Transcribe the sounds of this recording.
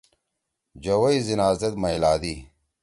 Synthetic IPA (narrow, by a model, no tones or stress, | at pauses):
d͡ʑɐwɐizinaːzɐt̪mɐilaːd̪iː